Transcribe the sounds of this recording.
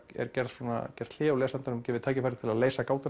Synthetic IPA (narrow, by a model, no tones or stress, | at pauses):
ɛ̰ɾ̥cɛɾðswɔːna̰cɛɾ̥t̪ʰl̥ɪːawlɛːsant̪anʏmcɛːvɪðt̪ʰaːcɪfaɾɪ̥t̪ʰɪlaðleːjsakaːwt̪a